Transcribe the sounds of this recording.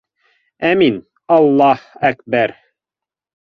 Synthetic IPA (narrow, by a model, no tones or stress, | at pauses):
æmin | ɑlˠːɑhækbæɾ